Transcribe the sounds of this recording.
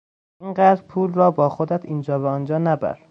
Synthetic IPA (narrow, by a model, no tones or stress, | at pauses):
inɢæːd̪ɾpʰuːlrɒːbɒːxod̪æt̪ʰiːnd͡ʒɒːbeɒnd͡ʒɒːnæbæ̰ɾ